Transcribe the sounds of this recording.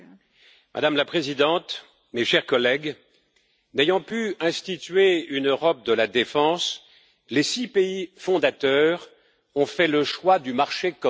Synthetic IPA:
mʔa̰d̪amlapχezid̪ɑ̃t̪ | meʃɛʁkɔlɛɡ | nejɑ̃pyɛ̃st̪it̪ɥeynøʁɔp̚d̪əlad̪efɑ̃s | lesipeifɔ̃d̪at̪œːʁ | ɔ̃fɛləʃwad̪ymaʁʃekɔ

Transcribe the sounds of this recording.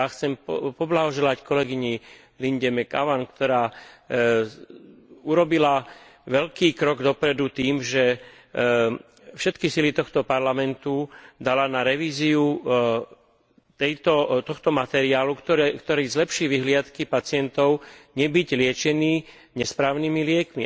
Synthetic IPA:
axt͡sɛmpɔblaɦɔʒɛlackɔlɛɡiɲi | linɟɛmɛka̰ʋankt̪ɔɾaː | uɾɔbila | ʋɛlkiːkɾɔɡd̪ɔpɾɛd̪ut̪iːmʒɛ | fʃɛt̪kisilit̪ɔxt̪ɔpaɾlamɛnt̪ud̪alanaɾɛʋiːziu | t̪ɛjt̪ɔt̪ɔxt̪ɔmat̪ɛɾiaːlukt̪ɔkt̪ɔɾiːzlɛpʃiːʋiɦlɪat̪kipat͡sɪɛnt̪ɔʊɲɛbiɟlɪɛt͡ʃɛniː | ɲɛspɾaːʊnimilɪɛkmi

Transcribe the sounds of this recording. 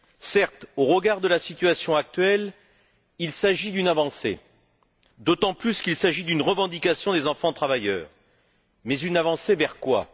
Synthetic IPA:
sɛʁt̪oʁəɡaʁd̪əlasit̪yɥasjɔ̃ak̚t̪ɥɛl | ilsaʒid̪ynavɑ̃sḛ | d̪ot̪ɑ̃plyskilsaʒid̪ynʁəvɑ̃d̪ikasjɔ̃d̪ezɑ̃fɑ̃t̪χavajœːʁ | mɛzynavɑ̃sevɛʁkwa̰

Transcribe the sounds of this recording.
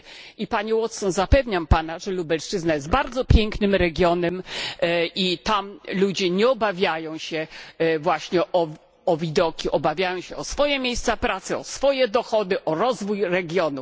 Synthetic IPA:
ipaɲɛwɔt̪sɔnzapɛvɲampanaʐɛlubɛlʂt͡ʂɘznajɛst̪baɾd̪zɔpʲjɛŋknɘmɾɛɡʲjɔnɛm | it̪amlud͡ʑɛɲɛɔbavʲjajɔ̃w̃ɕɛvwaɕɲɛʔɔ | ɔvʲid̪ɔkʲiʔɔbavʲjajɔ̃w̃ɕɛɔsfɔjɛmʲjejst̪sapɾat̪sɘɔsfɔjɛd̪ɔxɔd̪ɘʔɔɾɔzvujɾɛɡʲjɔnu

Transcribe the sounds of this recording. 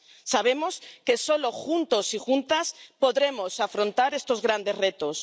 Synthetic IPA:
saβ̞e̞mo̞ske̞so̞lo̞xunt̪o̞sixunt̪aspo̞ðɾe̞mo̞safɾo̞nt̪aɾe̞st̪o̞zɣɾand̪e̞zre̞t̪os

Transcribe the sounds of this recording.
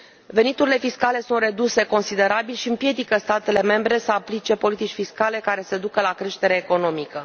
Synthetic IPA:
ve̞nit̪uɾile̞fiskale̞sunt̪re̞d̪use̞ko̞nsid̪e̞ɾabilʃiɨmpje̞d̪ikəst̪at̪e̞le̞me̞mbɾe̞səaplit͡ʃe̞po̞lit̪it͡ʃʲfiskale̞kaɾe̞sed̪ukəlakɾe̞ʃt̪e̞ɾeːko̞no̞mikə

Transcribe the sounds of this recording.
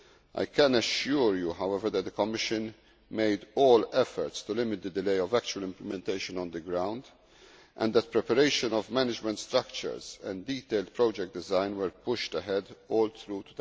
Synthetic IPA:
ʔa̰jkʰɛ̃nəʃuːɹjuɦawɛvəɾd̪ɛt̪̚d̪əkɔmːɪʃɨ̃n | meɪd̪ɔːlɛfəɾt̪st̪ulɪmɪt̪̚d̪əd̪ɪleɪɔvæk̚t͡ʃuwəlɪ̃mpləmɛ̃nt̪eɪʃə̃nɔ̃nd̪əɡɾãʊ̃nd̪ | ʔɛ̰̃nd̪ɛt̪̚pɾɛpɛɾeɪʃə̃nɔvmænɪd͡ʒmɛ̃nt̪st̪ɾɐkt͡ʃə̰ɹzɛ̰̃ndiːt̪eɪld̪̚pɾɔːd͡ʒɛk̚t̚d̪ɪzãɪ̃nwɛɾpʊʃt̪əɦɛd̪ɔːlt̪ɾuːt̪ud̪

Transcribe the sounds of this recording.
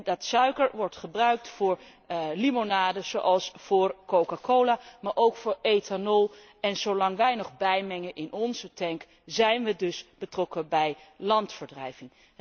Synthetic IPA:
dɑtsœɥkəɹʋɔɹtχəbrœɥk̚tfʊːɹ | limonaːdəz̥owʔɑlˠsfʊːɹkowkakowlaːmaːɹʔowkfʊːɹejtanɔlˠ | ɛnz̥owlɑŋʋɛjnɔχbɛjmɛŋənʔɪnɔnzətɛŋk | zɛjnʋədɵsb̥ətrɔkəbɛjlɑntfəɹdrɛjvɪŋ

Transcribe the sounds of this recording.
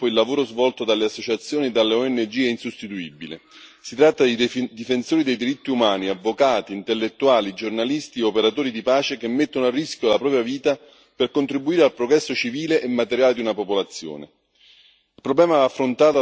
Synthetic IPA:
poilːavoːɾozvɔlt̪od̪alːeasːot͡ʃat̪sːjoːnied̪ːalːeɔɛnːed͡ʒiːeinsust̪it̪uibilḛsit̪ɾat̪ːad̪id̪ifensoːɾid̪ejd̪iɾit̪ːiumaːniavːokaːt̪iːnt̪elːet̪ːuaːlid͡ʒornalist̪iopeɾat̪oːɾid̪ipaːt͡ʃekemːet̪ːonoarːiskjolapɾɔːpɾjaviːt̪a | perkont̪ɾibuiːɾealpɾoɡɾɛsːot͡ʃiviːleʔemːat̪eɾjaːled̪iunapopolat̪sːjo̰ːnḛ | ilpɾoblɛːmaaːfːɾont̪aːt̪o

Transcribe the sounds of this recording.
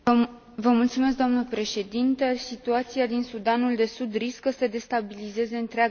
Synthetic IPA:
vəmult̪sume̞s̬k̚d̪oamnəpɾe̞ʃe̞d̪int̪əsit̪uat̪siad̪insud̪anuld̪e̞sud̪riskəsəd̪e̞st̪abilize̞ze̞ɨnt̪ɾeaɡ

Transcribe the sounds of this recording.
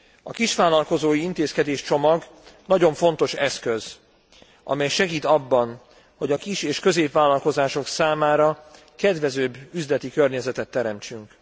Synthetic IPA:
ɒ̰kiʃʋaːlːɒlko̞zoːjiint̪eːskɛd̪eːʃt͡ʃo̞mɒɡ | nɒɟo̞ɱfo̞nt̪o̞ʃɛskøz | ʔɒ̰mɛjʃɛɡiːt̪ɒbːɒn | ho̞ɟɒkiʃeːʃkø̞zeːpvaːlːɒlko̞zaːʃo̞ksaːmaːɾɒ | kɛd̪ʋɛzøːbːyzlɛt̪ikørɲɛzɛt̪ɛt̪ːɛɾɛmt͡ʃyŋk

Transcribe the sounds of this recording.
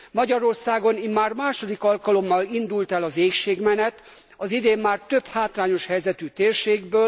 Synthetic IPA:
mɒɟɒɾo̞rsaːɡo̞nimaːrmaːʃo̞d̪ikɒlkɒlo̞mːɒlind̪ult̪ɛlɒzeːkʃeːɡmɛnɛt̪ | ɒzid̪eːmːaːrt̪øphaːt̪laːɲo̞ʃhɛjzɛt̪yːt̪eːrʃeːɡbøːl

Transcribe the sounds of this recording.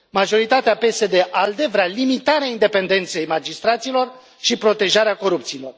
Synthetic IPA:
maʒo̞ɾit̪at̪eape̞se̞d̪e̞ʔald̪e̞vɾalimit̪aɾeaind̪e̞pe̞nd̪e̞nt̪se̞jmad͡ʒist̪ɾat̪silo̞r | ʃipɾo̞t̪e̞ʒaɾeako̞ɾup̚t̪siːlo̞r

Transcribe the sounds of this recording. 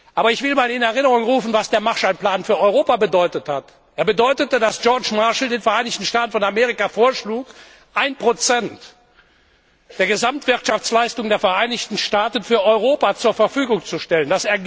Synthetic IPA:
ʔaːbɐɪçv̥ɪlmaːlɪnɛɐʁɪnəʁʊŋʁuːfn̩vasd̥eːɐmaʃaɪnplaːnfyːɐɔʏʁoːpabədɔʏtəthat | ʔeːɐbədɔʏtətədasʒ̥ɔɐt͡ʃmaɐʃl̩deːnfɛɐʔaɪnɪçtn̩ʃtaːtn̩fɔnameːʁ̞ɪkafoːɐʃluːk | ʔaɪnpʁ̥ot͡sɛnt | d̥eːɐɡəzamtv̥ɪɐtʃaft͡slaɪstʊŋdeːɐfɛɐʔaɪnɪçtn̩ʃtaːtən̩fyːɐʔɔʏʁoːpat͡suːɐfɛɐfyːɡʊŋt͡suʃtɛlənd̥aseːɐ

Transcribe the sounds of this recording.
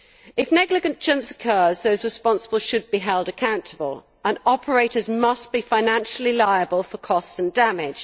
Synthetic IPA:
ɪfnɛɡlɪɡə̃nd̥ʒ̥ʌ̃nsə̥kʰɜːzðəʊzɹɪspɒ̃nsəbəlˠz̥ʃɨd̚biɦɛlˠdəkʰãʊ̃ntʰəbə̰lˠ | ə̃nɒpʰəɹeɪtəzmʌsb̥ifãɪnæ̃nʃəl̩ˠilaɪəbəlˠfəkʰɒstsə̃ndamɪd̥ʒ̥

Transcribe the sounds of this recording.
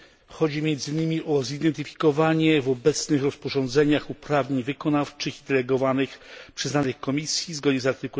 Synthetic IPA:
xɔd͡ʑimʲjɛnd̪zɘɲɘmʲiʔɔzid̪ɛnt̪ɘfʲi̥kɔvaɲɛvɔbɛt̪snɘxɾɔspɔʐɔ̃nd̪zɛɲaxupɾavɲeɲvɘkɔnaft͡ʂɘxid̪ɛlɛɡɔvanɘxpʂɛznanɘxkɔmʲisʲjizɡɔd̪ɲɛzaɾt̪ɘku

